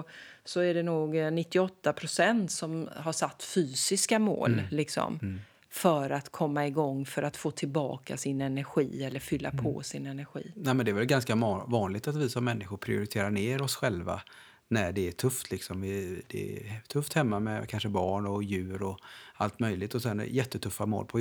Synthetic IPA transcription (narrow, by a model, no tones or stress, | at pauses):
sɔæɖɛnuːɡnɪt̪ːɪɔt̪ːapʰɾʊsɛnt̪sɔmɦaʂat̪ːfyːsɪskamo̰ːllɪksɔ̰m | fœɾat̪kʰɔmːaɪɡɔŋːfœɾat̪foːt̪ʰɪlbɑ̰ːka̰sɪnɛnæɾɧḭːɛlːəɾfʏlːa̰pʰɔ̰ːsɪnɛnæɾɧḭːnɛmɛnd̪ɛːvɛlɡanskavɑːnlɪɡ̚t̪at̪vɪsɔmːɛnːɪɧʊɾpʰɾɪ̰ʊɾɪt̪ʰeːɾaɳeːɾɔsɧɛlva̰ | næɖɛːʈʰɵft̪ʰlɪksɔmvɪd̪̥ɛɛ̰t̪ʰɵft̪hɛmːamɛkʰanʂəbɑːɳɔjʉ̟ːɾɔalt̪mœjlɪɡt̪ɔsɛn̰jɛt̪ʰːət̪ʰɵfːamo̰ːlpʰɔ